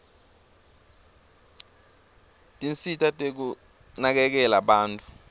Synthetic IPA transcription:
tʼint͡sitʰʼatʼek̬u | nak̬ɛk̬ɛlaɓaːntʼu̥

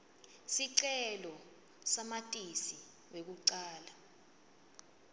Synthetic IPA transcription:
siǀɛlɔ | samatʼisi | wek̬uǀaːla

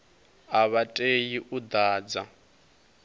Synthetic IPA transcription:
aβatʼejiʔud̪aːd͡za

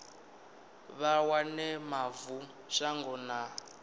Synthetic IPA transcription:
βawanɛmavu | ʃaŋɡɔna

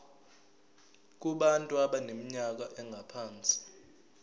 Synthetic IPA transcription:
k̬uɓantʼuaɓanemiɲak̬aʔɛŋɡʱapʰaːnt͡sʼi̥

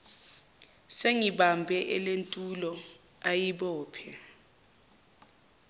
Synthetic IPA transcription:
seŋiɓambʱɛʔɛlentʼulɔ | ajiɓɔːpʰɛ

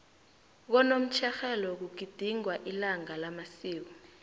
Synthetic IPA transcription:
k̬ɔnom̩t͡ʃʰɛxɛlɔk̬uɡ̥ʱid̥ʱiŋwaʔilaŋalamasiːk̬ɔ

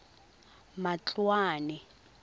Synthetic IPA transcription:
mat͡ɬwaːnɛ

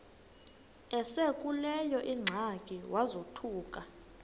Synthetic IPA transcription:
ɛsekʼulɛjɔʔiŋ͡ǁʱakʼiwʔazotʰuːkʼa

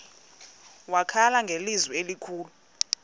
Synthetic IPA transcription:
wakʰalaŋɡʱelizwielikʰuːlu

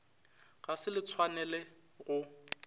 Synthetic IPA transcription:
ɣasɪlɪt͡sʰwanɛlɛ | ɣʊ

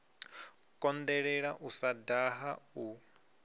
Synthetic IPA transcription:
kʼɔndɛɺɛɺaʔusadaɦau

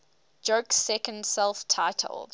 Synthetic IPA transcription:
d͡ʒəksɛkə̃ndsɛlˠftʰaɪtʰə̰lˠd̥

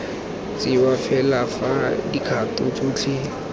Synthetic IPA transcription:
t͡sʼɪwafɛlafadikʰatʼʊt͡sʼoːt͡ɬʰɪ

